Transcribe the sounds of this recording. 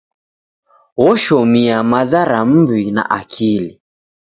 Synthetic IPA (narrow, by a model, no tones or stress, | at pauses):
wɔʃɔmiamazaɾam̩bwina̰ʔakʰili